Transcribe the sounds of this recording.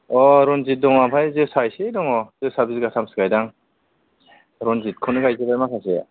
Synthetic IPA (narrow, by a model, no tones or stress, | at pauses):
ɔɾɔnzit̚dɔŋmapʰajzɯsajsedɔŋɔz̥ɯsabizɡasʰamsɯ̥ɡajdaŋ | ɾɔnzit̚kʰɯnɯɡajzɯbajmasase